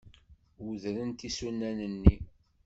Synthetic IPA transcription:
wuðɾənt̪isunːænənːi

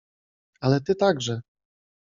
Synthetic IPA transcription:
alɛt̪ɘt̪aɡʐɛ

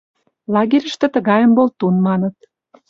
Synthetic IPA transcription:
lɑɣiɾʲə̆ʃt̪ĕt̪ə̆ɣɑjə̆mbolt̪unmɑnə̆t̪̚

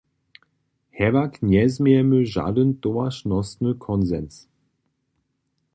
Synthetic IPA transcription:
hɛvakʰnjɛzmeɛməʒa̰dəntoaʃnɔsnəkʰɔnzɛns

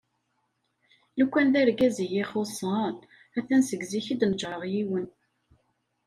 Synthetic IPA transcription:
lukʷːænðæɾɡæzijiχosˤɑn | æθænsəɡziçid̪nd͡ʒəʁjiwən

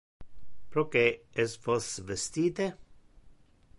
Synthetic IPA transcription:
pɾokeesfosvest̪iːt̪e

